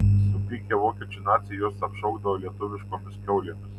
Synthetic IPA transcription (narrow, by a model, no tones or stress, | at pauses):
sʊpʲiːkʲeʋoːkʲiɛt͡ʃʲʊnɑːt̪sʲɪjuɔsɐpʃɐʊɡd̪ɐʋoːlʲiɛt̪ʊʋʲɪʃkoːmʲɪskʲɛʊlʲeːmʲɪs